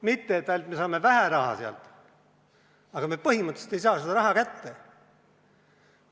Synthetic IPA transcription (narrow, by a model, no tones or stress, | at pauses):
mit̪ːeːt̪ːæjlʲt̪me̞sɑːme̞væhæɾɑhɑ̰seɑ̰lt̪ | ɑɡɑmepɤhimɯt̪ːe̥se̥t̪e̞js̬ɑːsed̪ɑɾɑɦɑkæt̪ːe